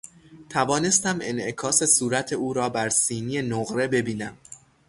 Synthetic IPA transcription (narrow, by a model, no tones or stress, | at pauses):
t̪ʰævɒːne̞st̪æme̞̰nʔe̞kʰɒːse̞suːɾæt̪ʰe̞uːɾɒːbæɾsiːniːenoɣɾe̞be̞biːnæm